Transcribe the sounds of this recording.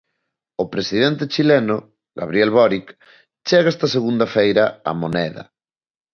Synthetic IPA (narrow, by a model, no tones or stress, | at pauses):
opɾesiðent̪et͡ʃilɛnʊ | ɣa̰βɾiɛlβɔɾik | t͡ʃɛɣɐɛst̪ɐseɣund̪ɐfejɾɐa̰monɛðɐ̰